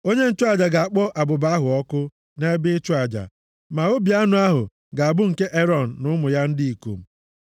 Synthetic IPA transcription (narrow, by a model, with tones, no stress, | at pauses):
o˦ɲe˦n̩˦t͡ʃʊ˦a˨d͡ʒa˨ɡa˨a˨k͡pɔ˦ʔa˨bʊ˨ba˨˦ɦʊ˨ɔ˦kʊ˦ | ne˦bɪ˦t͡ʃʊ˦a˨d͡ʒa̰˨ | ma˨o˦bi˨a˦nʊ˨a˦ɦʊ˨ | ɡa˨a˨bʊ˦ŋ̩˨ke˦ʔe˦ɾɔ˨n̩ː˨ʊ˦mʊ˨ja˦n̩˦di˦i˨ko̰˨m̩˨